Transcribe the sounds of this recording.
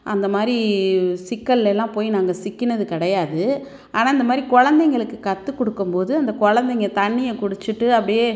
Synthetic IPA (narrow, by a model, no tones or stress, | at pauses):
ʔɐnd̪ɐmaːd̪ɾisɪkːɐɭɛlːãːpoːjinaːŋɡɐsɪkːɪnɐðɯkɪɽɐjaːðɯ | ʔaːnaːɪnd̪ɐmaːd̪ɾikɔɻɐnd̪ɛŋɡɐɭɯkːɯkɐt̪ːɯkːɔɽɯkːɯmpoːðɯɐnd̪ɐkɔɻɐnd̪ɛŋɡɐt̪ɐɳːɪjɐkʊɽɯt͡ʃːɯʈːɯɐpːɐɽɪjeː